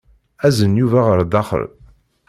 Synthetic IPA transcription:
æzənjuvæʁəɾd̪ɑχə̰l

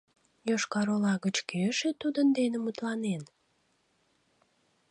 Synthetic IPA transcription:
joʃkɑɾolɑɣət͡ɕkeʃet̪ud̪ənd̪enemut̪lɑnen

